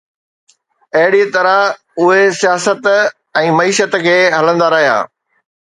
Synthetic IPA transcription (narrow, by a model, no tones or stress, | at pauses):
ɐɦɪɽit̪ɐɾə | ʊɦesijaːsət̪ | ɛ̃ːmɐiːʃət̪kʰeːɦɐlə̃nd̪aɾɐɦija̰ː